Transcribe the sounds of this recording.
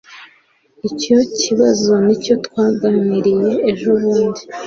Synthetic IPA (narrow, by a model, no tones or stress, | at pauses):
ico̞ciβazo̞nico̞twaːɡaniɾije̞ːʒoβuːndi